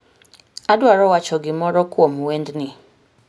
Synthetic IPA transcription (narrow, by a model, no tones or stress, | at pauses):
adʊaɾɔwat͡ʃɔɡɪmɔɾɔkʊɔmũwɛndnɪ̃